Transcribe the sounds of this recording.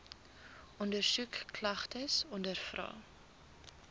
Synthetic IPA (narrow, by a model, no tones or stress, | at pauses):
ʔɔndərsukːlɐχtəsɔndərfrɑ̰ː